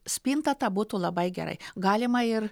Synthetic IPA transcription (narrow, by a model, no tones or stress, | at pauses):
sʲpʲiːnt̪ɐt̪ɐbuːt̪uːlˠɐbɐɪɡʲɛ̰ɾɐ̰ɪɡɑːlʲɪmɐɪr